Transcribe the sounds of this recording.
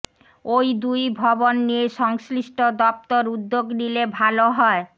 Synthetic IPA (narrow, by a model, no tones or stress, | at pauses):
ojd̪ujbʱɔbonːieʃɔŋsliʃʈʰod̪ɔp̚t̪oɾud̪ːoɡnilebʱaloɦɔe